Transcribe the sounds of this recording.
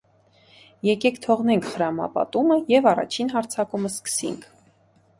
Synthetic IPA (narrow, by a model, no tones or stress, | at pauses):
jɛkɛkʰt̪ʰɔʁnɛŋkʰχəɾɑmɑ̰pɑ̰t̪uməjɛvɑrɑ̰t͡ʃʰinɦɑɾt͡sʰɑkuməskə̥sḭŋkʰ